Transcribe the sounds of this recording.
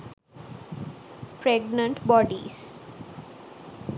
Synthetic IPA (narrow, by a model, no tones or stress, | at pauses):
pɾeɡnə̃ɳʈbɔːɖḭs